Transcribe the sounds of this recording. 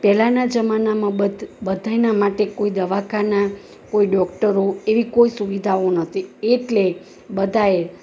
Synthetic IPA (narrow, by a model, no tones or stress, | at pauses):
pɛlanad͡ʒəmanamãbəd̪bəd̪ʱajnamaʈekoid̪əʋakʰana | koiɖɔkʈəɾoeʋikoisuʋid̪ʱaonət̪ʰieʈle | bəd̪ʱae